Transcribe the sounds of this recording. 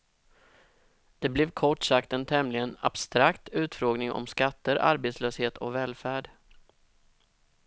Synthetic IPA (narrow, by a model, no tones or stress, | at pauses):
d̪̥ɛblɛvkʰɔʈːʂakt̪ənt̪ʰɛmlɪɡəna̰b̥st̪ɾakt̪ʉ̟ːt̪fɾoːɡnɪŋʔɔ̰mskat̪ːəɾa̰ɾbeːt̪sløːsheːt̪ʰɔ̰kvɛːlfæːɖ